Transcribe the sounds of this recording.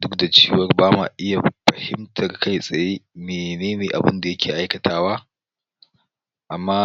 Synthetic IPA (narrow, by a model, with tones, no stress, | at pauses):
dʊ˦k̚da˨t͡ʃeː˦wɐ˨˦rbaː˦ma̰˨ʔɪ˦ja˨ɸɐ˨hɪ˦mtʰɐ˨rka˦jsʼɐ˨jeː˦meː˨neː˦neː˨ʔa˨bʊ˦nda˨jɐ˦kʲeː˨ʔa˦jkɐ˨taː˦waː˦ | ʔa˨mːaː˦